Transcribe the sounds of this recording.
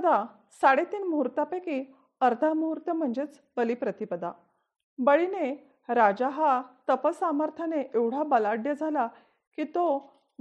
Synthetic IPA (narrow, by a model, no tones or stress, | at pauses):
d̪a | saɽet̪iːnmuɾt̪apeki | əɾt̪ʰəmuuɾt̪əm̤əɳd͡ʑet͡s | bəlipɾət̪ipəd̪a̰ | bəɭine | ɾad͡ʑaɦat̪əpəsaməɾt̪ʰaneʔeʋɽ̤abəlaɖjəd͡zʱala | kit̪o